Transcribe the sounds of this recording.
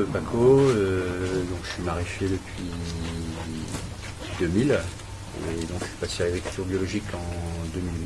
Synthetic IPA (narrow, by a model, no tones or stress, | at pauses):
əbakʰoød̪ɔ̃kʒə̥sɥimaʁifed̪əpɥi | pɥid̪ømil | eːd̪ɔ̃kʒəɥi̥pasealaɡʁikʲylt̪yʁbjɔlɔʒikʰɑ̃d̪ømil